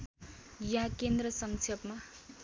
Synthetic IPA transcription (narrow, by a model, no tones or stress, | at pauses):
jɦakend̪rʌsʌŋt͡sʰʌpma